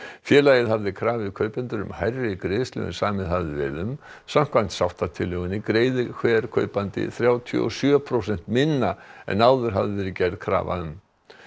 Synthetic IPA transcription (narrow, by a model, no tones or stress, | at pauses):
fjɛːlajɪðɦavðɪkʰɾaːvɪðkʰœɥpɛnt̪ʏɾʏ̰mhajrːɪkɾejslʏ̰ʏ̰nsaːmɛðhavðɪvɛ̰ðʏmsam̥kʰvan̥t̪sawht̪at̪ʰɪlːœɣʏnɪkɾeːjðʏkʰvɛːɾ̥kʰœːɥpant̪ɪ̰θɾjaːwt̪ʰḭɔ̰sjœːpʰɾowsɛn̥t̪mɪnːaɛ̰nawðʏɾ̥ɦavðɪvɛɾɪcɛɾðkʰɾa̰ːva̰ʏm